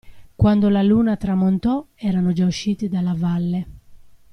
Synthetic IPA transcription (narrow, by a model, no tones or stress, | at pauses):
kwand̪olaluːnat̪ɾamont̪ɔ | ɛːɾanod͡ʒauʃːiːt̪id̪alːavalːe